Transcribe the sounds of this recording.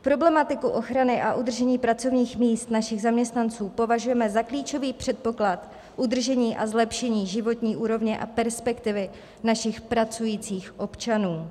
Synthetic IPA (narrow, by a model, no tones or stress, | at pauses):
pɾo̞blɛmat̪ɪkuʔo̞xɾanɪʔaʔud̪r̩ʒɛɲiːpɾat͡so̞vɲiːxmiːst̪naʃɪɣzamɲɛst̪nant͡suːpo̞vaʒujɛmɛzakliːt͡ʃo̞viːpr̝̥ɛt̪̚po̞klat̪ | ʔud̪r̩ʒɛɲiːʔazlɛpʃɛɲiːʒɪvo̞t̪ɲiːʔuːɾo̞vɲɛʔa̰pɛɾspɛkt̪ɪvɪ | naʃɪxpɾat͡sujiːt͡siːxʔo̞pt͡ʃanuː